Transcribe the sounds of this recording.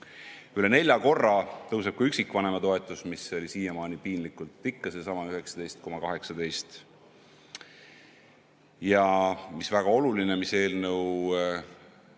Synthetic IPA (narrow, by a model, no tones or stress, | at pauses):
yle̞ne̞lʲjɑko̞rːɑt̪ɤwseb̥̚kuyksikːvɑne̞mɑt̪o̞e̞t̪ːˑusmiso̞lʲisiːjemɑːnipiːnlikult̪ˑːikːɑsesɑmɑyɦe̞ksɑ̥d̪e̞jst̪̚ko̞mɑkɑɦe̞ksɑd̪e̞jst̪ | jɑmisvæɡ̥ɑo̞lulinemise̞ːlnɤw